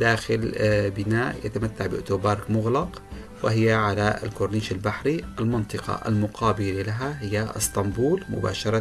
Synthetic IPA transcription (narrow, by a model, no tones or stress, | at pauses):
d̪aːxɪlbɪnaːʔjɪt̪amat̪ːaʕbɪʔʊt̪oːbɑɾˤmʊɣlɑq | wɪhɪjːaʕalaɪ̰lkʊɾˤniːʃɪlbaħɾiʔɪlmɑnt̪ˤɨqɑ̰ʔa̰lmʊqɑːbɪlalaɦahɪjːaʔɪ̰st̪ɑmbuːlmʊ̰ba̰ːʃɑɾˤɑ